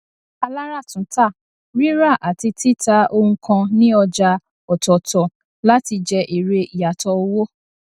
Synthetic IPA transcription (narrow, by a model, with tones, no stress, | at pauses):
a˧la˦ɾa˦˨tũ˨˦ta˦˨ | ɾi˦ɾa˦˨ʔa˨ti˧ti˦˨ta˧ʔo˧hũ˧kã˧nĩ˦ɔ˧d͡ʒa˧ | ɔ˨tɔ˨tɔ˨ | la˦ti˧d͡ʒɛ˧ʔi˨ɾe˧i˨ja˨tɔ˧o˧wo˦